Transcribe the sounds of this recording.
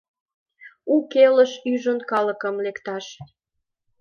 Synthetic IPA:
ukeləʃyʒonkɑlə̆kəmlekt̪ɑʃ

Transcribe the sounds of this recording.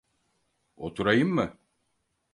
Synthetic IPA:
ot̪ʰuɾajɯmːɯ

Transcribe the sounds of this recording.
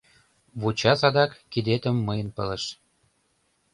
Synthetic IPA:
βut͡ɕɑsɑd̪ɑkːid̪et̪ə̆mːəjə̆npələ̆ʃ

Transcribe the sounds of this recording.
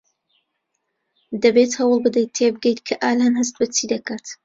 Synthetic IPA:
d̪ɐbet̪hɐwɨlˠbɨd̪ejt̪̚t̪ʰːebɨɡejt̪kʰɐʔaːlanɦɐst̪̚bɐt͡siːd̪ɐkaːt̪

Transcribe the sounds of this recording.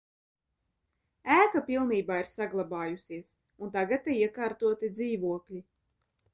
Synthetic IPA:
æːkapilˠniːbaːiɾsaɡlˠabɑːjusiɛs | unt̪aɡat̪ːiiɛkaːɾt̪uɔt̪id̪ziːvuɔklʲi

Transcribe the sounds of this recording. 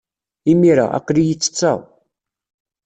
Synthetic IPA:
imiɾa̰æ̰qːlijət͡sːə̥t͡sːa̰w

